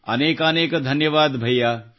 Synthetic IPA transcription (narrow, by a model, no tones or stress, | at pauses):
ɐ̰neːkəneːkd̪ʱɐnjəʋaːd̪bʱɐjjːa